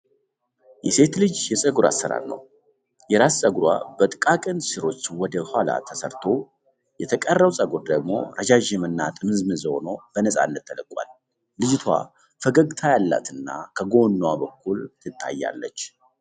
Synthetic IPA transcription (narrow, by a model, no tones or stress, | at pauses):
jɛse̞t̪lɨd͡ʒjɛsʼəɡuɾa̰sːəɾa̰ɾnə̰w | jɛɾassʼəɡuɾwa̰bət̪ʼkʼakʼɨnsɨɾo̞t͡ʃːwɔd̪əhala̰t̪ʰəsəɾt̪ʰo̞ | jɛt̪ʰəkʼərːəwsʼəɡuɾd̪əɡmo̞̰ɾʔəd͡ʒaʒɛmɨnːat̪ʼɨmɨzmɨzhonob̥ənəsʼa̰nːət̪ːələkʼwa̰lː | ɨd͡ʒt̪ʰwa̰ | fəɡəɡt̪ʰajalːa̰t̪ʰɨnːakʰəɡo̞nːwabəkʰːult̪ʰɨt̪ʰːa̰jːa̰lːə̰t͡ʃː